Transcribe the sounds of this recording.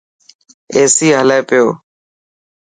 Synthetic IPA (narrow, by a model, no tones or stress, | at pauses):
eːsiːɦəleːpɪjoː